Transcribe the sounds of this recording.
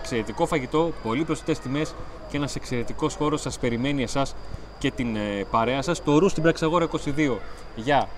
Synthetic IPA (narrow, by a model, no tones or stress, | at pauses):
kse̞ɾe̞t̪iko̞fɐʝit̪o̞po̞lipɾosi̥t̪e̞st̪ime̞sceenɐsekse̞ɾe̞t̪iko̞sxo̞ɾo̞sːɐspe̞ɾime̞nie̞sɐs | ce̞t̪inpɐɾe̞ɐsɐst̪o̞ɾust̪ibɾɐksɐɣo̞ɾɐiko̞siðio̞ | ʝɐ